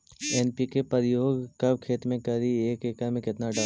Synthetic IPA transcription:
eːnpikepəɾɪjoːɡkɐb̚kʰeːt̪mẽkɐɾieːkeːkəmẽkɪt̪naɖa

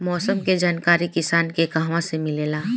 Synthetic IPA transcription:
mɔːsəmked͡ʒaːnkaːɾikɪsaːnkeɡãːʋãsemɪleːlaː

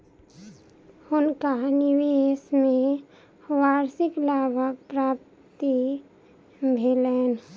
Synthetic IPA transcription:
ʊnkanɪʋeːsmẽ | ʋaːɾsɪklaːbəpɾaːp̚ | t̪i | bʱeleːn

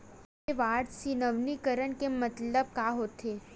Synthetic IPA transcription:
eʋaɽsinəʋnikəɾəɳkemət̪ləb̚kaɦot̪ʰe

